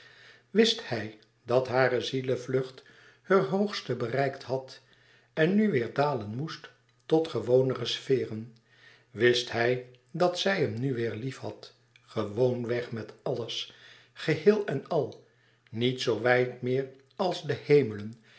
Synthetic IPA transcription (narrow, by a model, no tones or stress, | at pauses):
ʋɪsthɛj | dɑtɦaːrəziləvlɵχt | hərɦowχstəbərɛjkthɑt | ɛnːyʋɪːɹdaːlənmust | tɔtχəʋownərəsfɪːrən | ʋɪsthɛj | dɑtsɛjɦəmnyʋɪːɹlifhɑt | χəʋownʋɛχmɛtɑləs | χəɦɪːlˠɛnɑlˠ | nitsowʋɛjtmɪːɹ | ɑlˠzdəhejmələn